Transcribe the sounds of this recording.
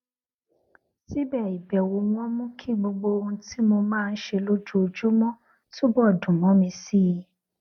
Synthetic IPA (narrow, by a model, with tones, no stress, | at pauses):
si˦bɛ˦˨i˨bɛ˨wo˨˦w̃ɔ̃˦mũ˦kʰi˦ɡ͡bo˧ɡ͡bo˧o˧˦ti˦mo˧mãː˦˧n̩˦ʃe˧lo˦d͡ʒu˦o˧d͡ʒu˦mɔ̃˦ | to˦bɔ˦˨dũ˨mɔ̃˨˦mĩ˧si˦˨˧